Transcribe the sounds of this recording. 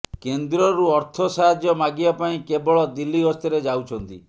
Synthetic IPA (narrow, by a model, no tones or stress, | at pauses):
kend̪ɾɔɾuɔɾt̪ʰɔsaɦad͡ʒjɔmaɡiapaĩkebɔɭɔd̪ilːiɡɔst̪ʰɔɾed͡ʒawt͡ʃʰɔnt̪ḭ